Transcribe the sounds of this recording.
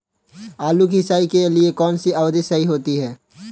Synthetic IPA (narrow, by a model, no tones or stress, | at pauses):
aːlukɦɪsaːikeliekɔːnsiɐʋd̪ɪsɐɦiɦoːt̪iɦɛː